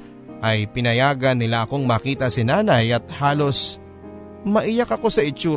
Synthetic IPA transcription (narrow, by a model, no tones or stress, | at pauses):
ʔɐjpɪnɐjaːɡɐnːɪlaʔɐko̞ŋmɐːkiːt̪ɐsɪnaːnɐjɐt̪̚haːlo̞s | mɐʔɪjakɐko̞sɐɪt͡ʃuː